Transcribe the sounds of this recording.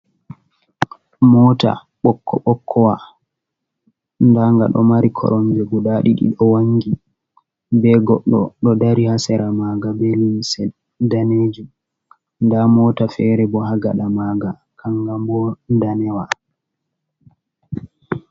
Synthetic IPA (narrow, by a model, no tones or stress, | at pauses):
mɔːta̰ | ɓɔkːɔ̰ɓɔkʰːɔwa | ndaŋɡa̰ɗɔ̰maɾikʰɔ̰ɾɔmd͡ʒɛɡuɗaɗiɗḭɗɔwaŋɡi | bɛɡɔɗːɔ̰ɗɔdaɾihasɛɾamaːɡabɛlinsɛ | daneːd͡ʒi | ndamɔːtafɛɾɛbɔɦaɡa̰ɗamaːɡa | kʰaŋɡambɔndanɛwa